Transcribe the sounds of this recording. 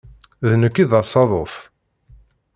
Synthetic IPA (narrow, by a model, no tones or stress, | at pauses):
ðnəkːiðɑsˤɑðˤof